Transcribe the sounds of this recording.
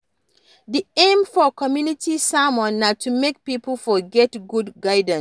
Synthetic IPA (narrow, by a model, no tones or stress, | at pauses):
diẽmfɔkʰɔmjunitʰisamɔ̃nːatʰumek̚pipəlfɔɡɛtɡudɡaɪd̃ns